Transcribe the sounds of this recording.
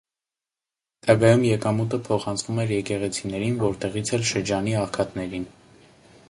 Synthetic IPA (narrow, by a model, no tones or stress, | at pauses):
t̪ɑɡɑjumjɛkɑmut̪̬əpʰɔχɑnt͡sʰvumɛɾjɛkɛʁɛt͡sʰinɛɾinvɔɾt̪ɛʁit͡sʰɛlʃəɾd͡ʒɑniɑχkʰɑt̪nɛɾin